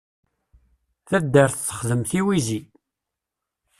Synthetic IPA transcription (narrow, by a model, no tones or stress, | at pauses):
θæd̪ːəɾθθːə̥χðəmθiwizi